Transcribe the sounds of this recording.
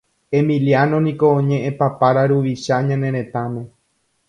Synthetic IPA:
e̞mĩlianõ̞nĩkõ̞ːɲẽʔẽpapaɾaɾuʋiʃaɲãnẽ̞ɾẽ̞t̪amẽ̞

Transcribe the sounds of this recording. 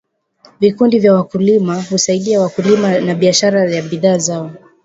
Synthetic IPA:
vikundivjawakulimahusaiɗiawakulimanaɓiaʃaɾajaɓiðaːzaɔ

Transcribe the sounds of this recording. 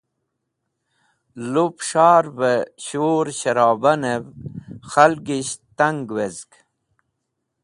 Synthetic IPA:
lupʂaːɾveɕoɾɕɐɾɑːbɐnevxalɡiɕt̪aŋɡwezk

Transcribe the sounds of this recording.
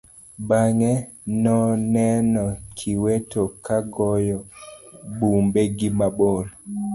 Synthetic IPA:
baŋɛ | nɔnɛnɔkʰiwetokaɡɔjɔ | bumbeɡimabol

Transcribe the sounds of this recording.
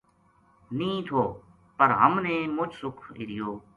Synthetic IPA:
nĩːt̪ʰoː | pəɾɦəmnẽːmʊt͡ʃsʊkʰḭɾɪjoː

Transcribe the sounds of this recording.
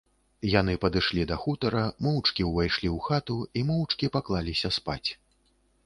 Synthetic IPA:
janɨpɐd̪ɨʂlʲid̪ɐxut̪ɐɾɐmɔwt͡ʂkʲiwvajʂlʲiwxat̪uimɔwt͡ʂkʲipaklˠalʲisʲɐspa̰t͡sʲ

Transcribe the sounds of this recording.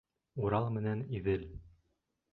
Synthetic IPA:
uɾɑlˠmɘ̆næniðɘl

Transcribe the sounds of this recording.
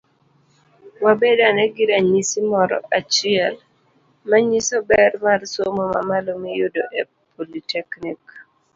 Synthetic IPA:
wabedanɛɡiɾaɲisimɔɾɔ̰ʔat͡ʃɪɛl | maɲisobɛrmarsomoma̰malomijʊdoʔɛ | pʰolitʰɛknik

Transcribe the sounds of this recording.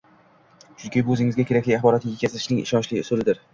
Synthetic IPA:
ʃʰʊnkʲibɵzɪŋɪzɡʲakʲʰe̞ɾakʲlɪaχbɒɾɒt̪ɪɡʲakʲʰazat̪ɪ̥ʃnɪŋɪ̰ʃɒnt͡ʃlɪsɵlɪd̪ɪɾ

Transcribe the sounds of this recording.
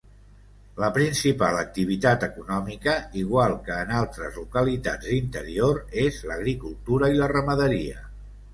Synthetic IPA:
ləpɾinsipa̰lək̚t̪iβ̞it̪at̪əkunɔmikəiɣ̞walˠkəːnalˠt̪ɾəzlukəlit̪a̰d͡z̪int̪əɾioɾezləɣɾikulˠt̪uɾəilərəməðəɾiə

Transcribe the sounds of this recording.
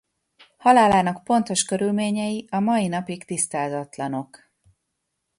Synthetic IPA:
hɒlaːlaːnɒkpo̞n̪t̪o̞ʃkø̞ɾylmeːɲɛjiɒmɒjinɒpikt̪ist̪aːzɒt̪lɒno̞k

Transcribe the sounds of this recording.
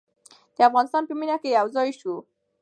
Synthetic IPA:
t̪eafɡanist̪anpiminakejawzɔiʃu

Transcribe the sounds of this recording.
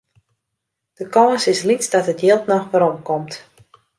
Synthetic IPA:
d̥əkɔːsɪslit͡sdɔtətjɪlˠtnɔxʋəɾɔmkɔmt

